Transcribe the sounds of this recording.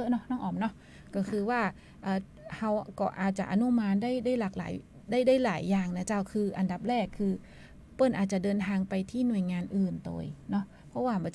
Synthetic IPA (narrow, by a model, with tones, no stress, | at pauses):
ɤ˦˥nɔ˦˥nɔː˥˩ŋʔɔː˨˩m̚nɔ˦˥ | kɔː˥˩kʰɯː˧waː˥˩ | ʔɤː˨˩ | ha˧˥wkɔː˧˩ʔa̰ː˨˩t̪̚t͡ɕa˨ʔa˧nu˦˧˥maː˧ndaː˥˩jdaː˥˩jlaː˨˩k̚la̰ː˨˩˦j | daː˥˩jdaː˥˩jlaː˩˦jːaː˨˩ŋna˦˧˥t͡ɕaː˥˩wkʰɯː˧ʔa˧nda˨˩p̚ɾɛː˥˩kʰːɯː˧ | pɤ˧˥˩nʔaː˨˩t͡ɕa˨˩dɤː˧nt̪ʰaː˧ŋpa˧jt̪ʰiː˥˩nu˨˩əjŋaː˧nʔɯː˨˩nt̪o̰ː˧jnɔ˦˥ | pʰɔ˦˥waː˥˩˧bɔ˧